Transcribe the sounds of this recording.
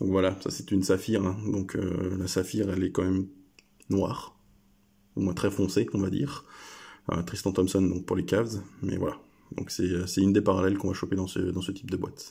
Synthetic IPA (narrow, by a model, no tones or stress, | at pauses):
d̪ɔ̃kvwalasa̰sɛt̪ynsafiʁɛ̃d̪ɔ̃kʰø̰lasafiʁɛlɛkɑ̃mɛm | nwaːʁ | umwɛ̃t̪χɛfɔ̃seɔ̃vad̪ḭːʁ | ø̰t̪χist̪ɑ̃t̪ɔmsɔnd̪ɔ̃k̚puʁlekavzmɛ̰vwa̰la | d̪ɔ̰̃ksɛøsɛynd̪epaʁalɛlkɔ̃vaʃoped̪ɑ̃sə̰d̪ɑ̃sət̪i̥p̚d̪əbwat̪